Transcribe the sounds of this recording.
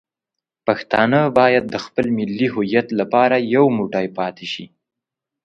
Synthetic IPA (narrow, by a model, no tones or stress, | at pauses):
paxt̪ɑnəbɑjad̪̚ːəxpəlmɪlːiɦʊjat̪lapɑɾajawmuʈɑjpɑt̪eʃi